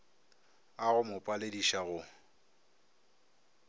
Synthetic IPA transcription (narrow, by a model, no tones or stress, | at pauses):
aɣʊmʊpʼalediʃaɣʊ